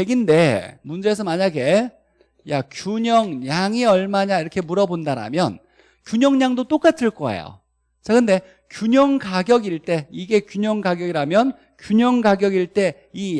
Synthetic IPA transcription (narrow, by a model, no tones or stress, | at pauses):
eɡinde̞mund͡ʑe̞ːs̬ʰʌmaɲaɡe̞ | ja̰kjuɲʌŋɲaŋiʌɭmaɲaiɾʌkʰe̞muɾʌbondaɾa̰mjʌ̰n | kjuɲʌŋɲaŋdot͈ok͈atʰɯɭk͈ʌḛjo̰ | t͡ɕ͈akɯnde̞ | kjuɲʌŋɡaɡjʌɡiɭt͈e̞iɡe̞kjuɲʌŋɡaɡjʌɡiɾamjʌn | kjuɲʌŋɡaɡjʌɡiɭt͈e̞ | i